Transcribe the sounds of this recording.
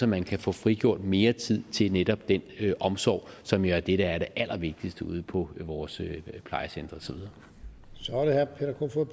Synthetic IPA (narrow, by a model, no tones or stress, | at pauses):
ɒmænkʰæfɔ̰̽ːfʁiɡ̥jo̝ɐ̰d̥me̝ːɐt͡sʰið̞̰ˠt͡sʰe̝lneɾɒ̽b̥̚d̥enøʔɒ̽msɒ̰ːʊ̰sɒ̽mjo̝æɐd̥eɾəæɐɾ̥e̝ʔæl̰ʔɐʋe̝ɡ̥̚d̥isd̥əṵð̞ˠpʰɒ̽ʋɒːsøpʰl̥ɑ̈ɪəsend̥ʁɐsɒ̽ʋiðˠɐ | sɒɾehæpʰeɾɐkʰofo